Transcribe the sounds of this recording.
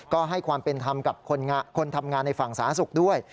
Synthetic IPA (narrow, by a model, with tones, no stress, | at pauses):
kɔː˥˩ɦa˥˩jkʰwaː˧mpe˧nt̪ʰa˧mka˨˩p̚kʰo˧nŋa˧kʰo˧nt̪ʰa˧mŋaː˧nːa˧jfa˨˩ŋsaː˩˦nsu˨˩k̚du˥˩əj